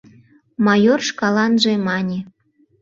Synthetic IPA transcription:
mɑjorʃkɑlɑnʒemɑnʲe

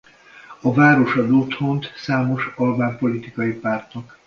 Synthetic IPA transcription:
ɒvaːɾo̞ʃɒd̪oːt̪ho̞nt̪saːmo̞ʃɒlbaːmpo̞lit̪ikɒjipaːrt̪nɒk

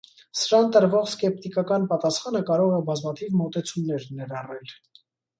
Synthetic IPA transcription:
səɾɑnt̪əɾvɔχskɛp̚t̪ikɑkɑnpɑt̪ɑsχɑnəkɑɾɔʁɛbɑzmɑt̪ʰivmɔt̪ɛt͡sʰumnɛɾnɛɾɑrɛl

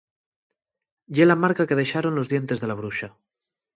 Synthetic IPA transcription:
jelamaɾkake̞ðe̞ʃaɾo̞nloðje̞nt̪e̞zðe̞laβ̞ɾuʃa

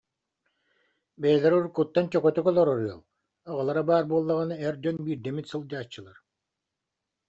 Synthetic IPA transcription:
bɛjɛlʲɛɾuɾkut̪ːant͡ɕɔkɔt̪ɔkɔlˠɔɾɔɾɯɔ̰lˠ | ɔʁɯlˠaɾabaːɾbuɔlˠːaʁɯnɯɛɾd͡ʑɔnbiːɾd̪ɛmit̪sɯlˠd͡ʑaːt͡ɕːɯlˠaɾ

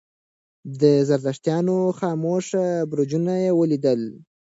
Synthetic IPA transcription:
d̪əzaɾd̪aʂt̪jɑnoxɑmoʂabɾod͡ʒunajewəlid̪əl

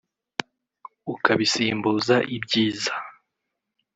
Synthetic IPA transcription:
ukaβisiːmbuːzaʔibɟiːzḁ

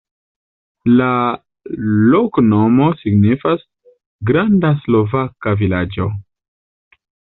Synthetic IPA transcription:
la | lokno̞mo̞siɡnifas | ɡɾandaslo̞vakavilad͡ʒo̞

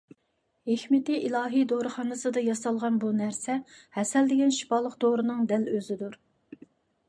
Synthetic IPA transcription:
hehmɪt̪ɪʔilˠɑːɦijd̪oɾɨχɑːnɨsɨd̪ɑjɑsɑlˠʁɑnbunæɾsɛhɛsɛld̪ɪɡʲɛnʃi̥pɑlˠəqd̪oɾɨnɨŋd̪ɛløzɪd̪uɾ

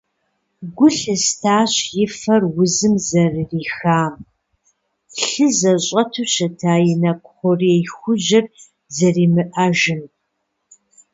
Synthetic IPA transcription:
ɡʷʊɬɨstʰaːɕjɪfɐrwʊzɨmzɐrriːxaːm | ɬɨzɐɕʼɐtʰuːɕɐtʰaːjɛnɐkʷʼʊχʷɔriejxʷʊʒɪr | zɐriːmɨʔɐʒɪn

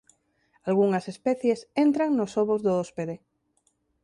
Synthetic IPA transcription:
alɣ̞uŋasespeθjesent̪ɾaŋnosoβozðoospeðe

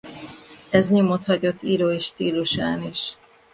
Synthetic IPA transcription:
ɛzɲomo̞t̪hɒɟo̞t̪ːiːɾoːeʃt̪iːluʃaːniʃ

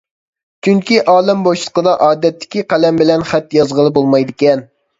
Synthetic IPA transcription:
t͡ʃʰyŋkʲiʔɑːlˠɪmboʃlˠə̥qəd̪ɑʔɑːd̪ɛt̪ʰːɪ̥kʲiqælɛmbɪlɛnχæt̪jɑzʁəlˠɨbolˠmɑjd̪ɪkʲɛn

